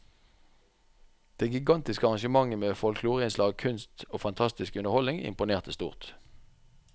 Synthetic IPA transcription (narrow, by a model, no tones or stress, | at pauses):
d̪̥eːɡɪɡɑnt̪ɪskəɑʁɑŋʃəmɑŋːəmeːfɔlkʰluːʁəɪnslɑːɡ̚kʰʉnst̪oːfɑnt̪ʰɑst̪ɪskʉnəʁhɔlnɪŋɪ̰mpʊneːʁt̪ʰəst̪ṵːʁt̪